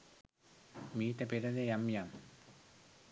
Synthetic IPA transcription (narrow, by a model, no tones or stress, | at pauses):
miːt̪ɛpeɾadajamjam